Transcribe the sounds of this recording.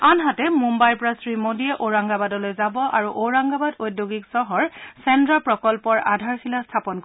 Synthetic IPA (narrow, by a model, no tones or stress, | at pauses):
anɦatɛmumbajpɔɹasɹimodijɛʔoɹaŋɡabadɔlojzabɔʔaɹuʔoɹaŋɡabadojdjoɡiksɔɦɔɹsɛndɹapɹɔkɔlpɔɹadʱaɹsilastʰapɔnk